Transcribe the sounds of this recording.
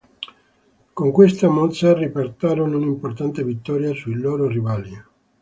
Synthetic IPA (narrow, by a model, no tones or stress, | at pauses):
koŋkwest̪amɔt̪saripart̪aːɾonounimport̪ant̪evit̪ːɔːɾjasuilɔːɾorivali